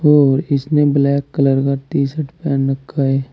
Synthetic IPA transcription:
ɔːɾɪsneblɛːkːələɾkaɾt̪iːsəʈʰpɛːnːəkʰːaɦeː

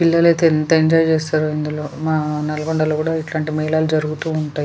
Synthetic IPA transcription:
pilːɐlet̪eːnt̪ɐiɲd͡ʒaːjt͡ʃeːst̪aːɾuind̪ulo̞ːmaːnɐlɐɡoɳɖɐloːkuːɽaːiʈlaːɳʈimɐɦilaːlud͡ʒɐɾuɡut̪uːɳʈaːji

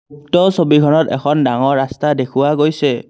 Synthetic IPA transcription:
k̚tɔsobikʰɔnɔtɛ̰kʰɔndaŋɔɹɹastadekʰʊwaɡojsɛ

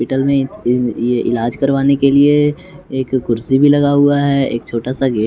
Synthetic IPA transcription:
pɪʈəlmẽjeʔɪlaːd͡ʒkɐɾʋaːnekelie | eːkːʊɾsibʱilɐɡaɦʊaɦɛḛːkt͡ʃʰoːʈasaɡeː

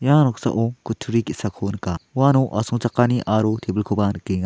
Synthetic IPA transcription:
janɔk̚sa̰ʔokutʰuɾikisakʰonkawanuʔasuŋt͡ʃakːaniʔaɾotʰebilkʰubankiŋa

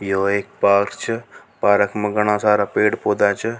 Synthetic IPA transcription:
joːeːk̚paːɾt͡ʃʰə | paːɾəkʰməɡɐɽ̃ãːsaːɾaːpeːɽpoːd̪aːt͡ʃʰə

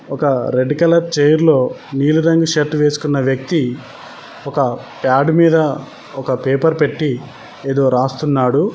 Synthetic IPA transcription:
ɔkɐɾeɖikɐlɐɾt͡ʃejɐɾlo̞ːniːluɾɐŋɡuʃɐʈʋe̞ːsu̥kunːɐʋjɐk̚t̪i | ɔkɐpjaːɖmiːd̪ɐ | ɔkɐpeːpɐɾpe̞ʈːi | eːd̪o̞ːɾaːst̪unːaːɽu

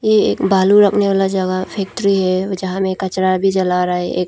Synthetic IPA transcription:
jeḛːkbaːluɾɐkʰneʋaːlad͡ʒɐɡapʰɛːk̚ʈɾiɦɛd͡ʒɐɦãmẽkɐt͡ʃɾabʱid͡ʒɐlaɾaeʔḛːk̚

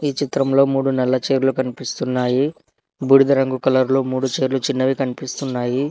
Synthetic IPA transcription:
iːt͡ʃit̪ɾɐmlo̞ːmuːɽunɛlːɐt͡ʃe̞ːɾlukɐnipist̪unːaːji | buɽid̪ɐɾɐŋɡukɐlɐɾluːmuːɽut͡ʃe̞ːɾulut͡ʃinːɐʋikɐnipist̪unːaːji

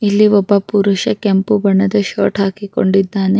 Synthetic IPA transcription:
ilːiʋɔbːɐpuɾuʃɐkempubɐɳːɐd̪ɐʃo̰ːʈɦaːkiko̰ɳɖid̪ːaːne

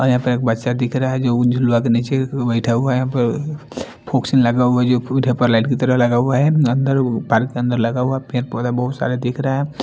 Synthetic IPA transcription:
ɔɾjɐɦãpəɾeːk̚bɐt̪ːʃad̪ɪkʰɾaaɦɛd͡ʒod͡ʒʱʊlwakeniːt͡ʃebəɪʈʰauajɐɦãpəɾ | pʰoːksɪnlɐɡaːɦɛd͡ʒoɖʱepəɾlaɪʈkit̪əɾəlɐɡauaɦɛɐ̃nd̪əɾpaːɾkːeə̃nd̪əɾlɐɡauapeɾpɔːd̪abɐɦʊt̪sa̰ːɾad̪ekʰɾaaɦɛ

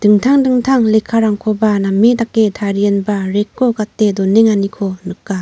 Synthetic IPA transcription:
d̥ɯŋtʰaŋdɯŋtʰaŋlekʰːaɾaŋkʰɔbanamedakːetʰaɾijenbaɾekʰːokatːedɔneŋanikʰɔnɯkːa

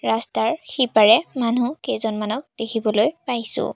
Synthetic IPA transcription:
ɹastaɹxipaɹɛmanukejzɔnmanɔk̚d̥ekʰibɔlojpajsʊ̰̃

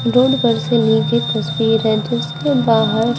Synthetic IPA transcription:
ɾoːɖbəɾseliːɡet̪ɐswiːɾɛ̃ːʈəskebaːɦəɾ

